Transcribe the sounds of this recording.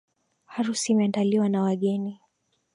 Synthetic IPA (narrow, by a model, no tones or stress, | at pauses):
haɾusiːmɛandaliwanawaɠɛni